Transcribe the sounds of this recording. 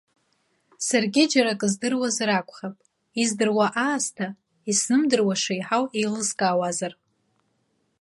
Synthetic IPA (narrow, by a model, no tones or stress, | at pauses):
sarɡʲɪd͡ʒaɾakʼɨzdɨrwazrakʷʼχapʼ | izdɨrwaʔaːstʰa | isnɨmdɨrwaʂejħawejlɨzkʼaːwazar